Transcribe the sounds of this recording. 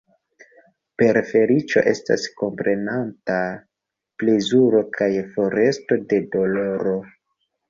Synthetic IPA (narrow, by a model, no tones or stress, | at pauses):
pe̞ɾfe̞ɾit͡ʃo̞̰ʔe̞sta̰sko̞mpɾe̞nanta | plezuɾo̞kʰajfo̞ɾe̞sto̞de̞do̞lo̞ɾo̞